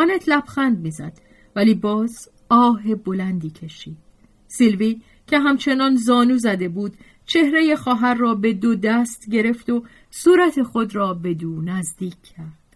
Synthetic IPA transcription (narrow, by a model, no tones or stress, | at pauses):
ɒːnet̪ʰlæb̥xænd̪̚miːzæ̰d̪̥ | væliːbɒːz | ɒːɦe̞bo̞lænd̪iːcʰe̞ʃiːd̪̥ | silvi | cʰe̞ɦæmt͡ʃʰe̞nɒːnzɒːnuːzæd̪e̞buːd̪̥ | t͡ʃʰe̞hɾe̞je̞xɒːɦæɾːɒːbe̞d̪od̪æst̪ɟe̞ɾe̞ft̪o̞ | suːɾæt̪ʰe̞xo̞d̪ɾɒːbe̞d̪uːnæzd̪iːcʰːæɾd̪̥